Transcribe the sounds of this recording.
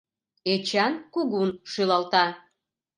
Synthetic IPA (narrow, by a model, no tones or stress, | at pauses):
et͡ɕɑnkuɣunʃylɑlt̪ɑ